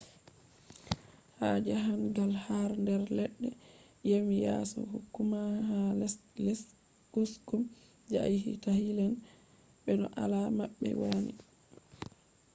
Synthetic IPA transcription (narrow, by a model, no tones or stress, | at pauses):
had͡ʒaɦanɡalhaɾndɛɾlɛɗːɛ | jemijasɔ̰ɦukːumaɦallɛs | kuskum | d͡ʒajhḭtahilɛn | bɛnɔ̰ʔalamaɓːɛ̰wanḭ